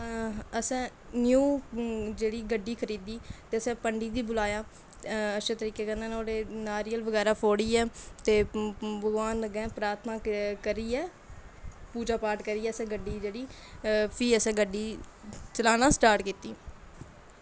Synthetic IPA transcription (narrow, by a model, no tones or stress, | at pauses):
əsɛ̃ː | njuːd͡ʒeːɽiːɡəɖiːkʰəɾiːd̪iːt̪eːəsɛ̃ːpəɳɖiːd̪iːbʊlaːjaː | əʃət̪əɾiːkeːkə̃nd̪aːnːoːɽeːnaːɾiːəlʋəɡɛːɾaːpʰoːɽiːɛːt̪eːbəɡʋaːnəɡɛ̃ːpɾaːt̪ʰnaːkəɾiːɛː | puːd͡ʒaːpaːɾʈkəɾiːɛːəsɛ̃ːɡəɖːiːd͡ʒeːɽiː | pʰiːəsɛ̃ːɡəɖːiːt͡ʃəlaːnãːsʈaːɾʈkiːt̪iː